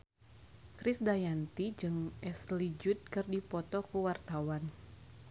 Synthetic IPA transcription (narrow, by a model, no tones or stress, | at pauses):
kɾɪsdajant̪id͡ʒɨŋʔɛslid͡ʒʊt̪̚kɨrdipɔt̪ɔkuwart̪awan